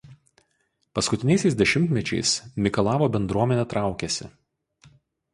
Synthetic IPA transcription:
pɐskʊt̪ʲɪnʲɛɪsʲɛɪsd̪ʲɛʃʲɪmʲt̪ʲmʲɛt͡ʃʲɛɪsmʲɪkɐlˠɑːʋoːbʲɛnd̪ɾuɔmʲɛnʲɛt̪ɾɑˑʊkʲɛsʲɪ̰

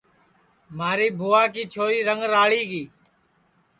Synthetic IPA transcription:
maːɾiːbʱuːaːkiːt͡ʃʰoːɾiːɾəŋɡɾaːɭiːɡiː

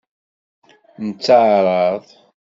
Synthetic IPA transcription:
nət͡sːəʕɾˤɑðˤ

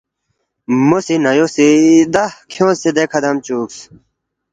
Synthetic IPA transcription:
mosinɐjosid̪ɐhkʰjõːsed̪ekʰɐd̪ɐmt͡ɕuːks

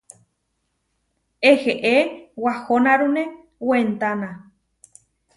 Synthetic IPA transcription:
eheʔewahonaɾune | went̪anã

